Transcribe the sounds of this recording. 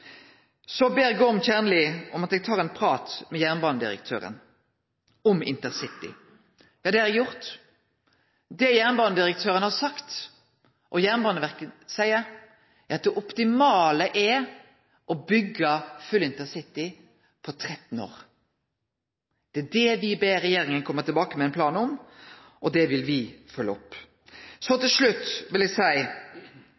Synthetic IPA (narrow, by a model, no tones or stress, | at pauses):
sɔbeːɾɡoːɔmçæːnəlɪʔɔmɑt̪ɛːɡ̚t̪ʰɑːʁɛnpʰɾɑːt̪mɛjæːʁnbɑːnəd̪ɪ̰ɾə̰k̚t̪ʰø̰ːɾə̰n | ɔmɪ̰nt̪əʁsɪt̪ːɪ̰ | jɑːd̪ɛhæɾdɛjʊʁt̪ | d̪ɛjæːʁnbɑːnəd̪ɪɾək̚t̪ʰøːɾənhɑʁsɑkt̪ | ʔɔjæːʁnbɑːnəʋæʁkəsæɪəɾ | æʁɑt̪̚d̪ɛʔɔpt̪ɪmɑːləʔɛ | ʔɔbʏɡːəfʉlɪnt̪əsɪt̪ɪ | pʰɔt̪ʰɾɛt̪n̩o̰ːɾ | d̪̥ɛæd̪ɛʋɪbeːɾɛjeːɾɪŋənkʰɔmːət̪ʰɪlbɑːkəmɛɪnpʰlɑːnɔm | ʔɔd̪ɛʋɪlʋɪfœlːəɔpː | sɔt̪ɪlʂlʉt̪ːʋɪlɛsæɪ